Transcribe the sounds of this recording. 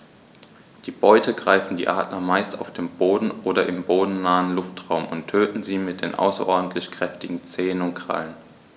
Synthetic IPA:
d̥iːbɔʏtʰəɡʁaɪfn̩dḭːʔaːtnɐmaɪstaʊfd̥eːmboːdn̩ʔoːdɐʔɪmboːdn̩naːənlʊftʁ̥aʊmʊ̰ntʰːøːtn̩ziːmɪt̚d̥eːnʔa̰ʊsɐ̰ʔɔɐdn̩tʰlɪçkʁ̥ɛftɪɡŋ̩t͡seːənʊntkʁ̥a̰lən

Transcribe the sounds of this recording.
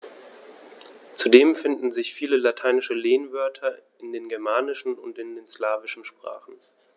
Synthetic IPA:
t͡sudeːmfɪndn̩zɪçfiːləlatʰaɪnɪʃəleːnvœɐtʰɐ | ɪndeːnɡɛɐmaːnɪʃn̩ʊntɪndeːnslaːvɪʃn̩ʃpʁ̥a̰ːχn̩

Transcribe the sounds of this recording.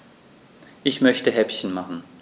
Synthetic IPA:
ʔɪçmœçtʰəɦɛpçən̩maχn̩

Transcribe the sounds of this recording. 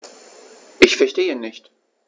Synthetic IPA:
ʔɪçfɛɐʃteːənɪçt

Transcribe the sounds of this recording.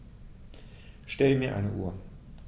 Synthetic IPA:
ʃtɛləmiːɐʔa̰ɪnəʔṵːɐ

